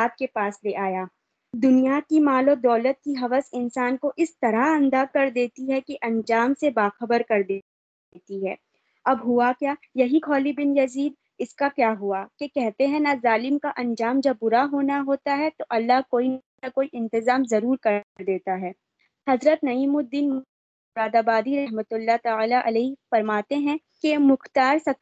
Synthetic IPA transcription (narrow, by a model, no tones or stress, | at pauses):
aːt̪̚kepaːsleʔaːjaː | d̪ʊnijakimaːlod̪ɔːlət̪̚kiɦɐʋəsɪnsaːnkoʔɪst̪ɐɾaɐ̃nd̪akɐɾd̪eːt̪iɦɛkeʔɐ̃nd͡ʒaːmsebaːxəbəɾkɐɾd̪e | t̪iɦɛː | ɐbɦʊakjaːjɐɦikʰɔːlibɪnjɐziːd̪̚ | ɪskakjaːɦuakekɛɦt̪eɦɛ̃nazaːlɪmkaʔɐ̃nd͡ʒaːmd͡ʒɐb̚ːʊɾaɦoːnaɦoːt̪aɦɛt̪oʔɐlːaɦkoːin | akoːiʔɪ̃nt̪ɪzaːmzɐɾuːɾkɐɾd̪eːt̪aɦɛː | hɐzɾət̪nɐiːmʊd̪ːiːn | ɾaːd̪aːbaːd̪iɾɐɦmət̪ʊlːat̪aːlaʔɐlɛːfɐɾmaːt̪eɦɛ̃ | kemʊxt̪aːɾsɐk